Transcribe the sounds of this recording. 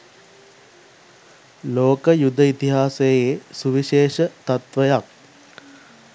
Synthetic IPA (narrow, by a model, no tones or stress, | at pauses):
loːkəjud̪əit̪iɦaːsejesuʋiʃeːʃət̪at̪ʋəjak̚